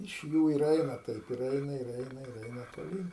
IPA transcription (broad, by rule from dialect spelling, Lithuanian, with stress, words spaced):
ɪʃ ˈjuː ɪr ˈɛɪnɐ ˈtɐɪp ɪr ˈɛɪnɐ ɪr ˈɛɪnɐ ɪr ˈɛɪnɐ toːˈlʲiːn